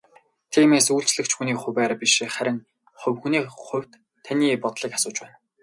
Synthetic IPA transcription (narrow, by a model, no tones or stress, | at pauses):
t̪ʰiːmeːsuːɬt͡ɕɮɘ̆kt͡ɕʰxuniːχʊwæːɾpʲiʃiχæɾʲɪ̆ŋ | χʊ̟wxuniːχʊ̟wʲt̪ʰː | aniːpɔt̪ɮiːkḁsʊːt͡ɕpæːn